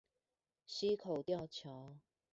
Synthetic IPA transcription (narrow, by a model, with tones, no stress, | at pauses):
ɕi˦kʰo˨˩wt̪jɑ˥˨wt͡ɕʰjɔ˨˦